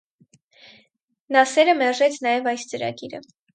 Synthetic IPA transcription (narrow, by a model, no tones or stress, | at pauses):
nɑsɛɾəmɛɾʒɛt͡sʰnɑjɛvɑjst͡səɾɑ̰ɡiɾə̰